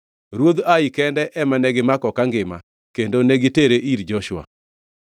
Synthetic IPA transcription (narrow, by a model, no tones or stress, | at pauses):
ɾwod̪aikɛndɛʔɛmanɛɡɪmakɔkaŋɡɪma | kendoneɡɪteɾeʔiɾd͡ʒɔʃwa̰